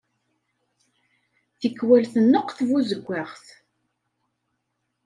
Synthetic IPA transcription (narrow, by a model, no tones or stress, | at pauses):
θəkːwælθənːəqθvuzəɡʷːaʁθ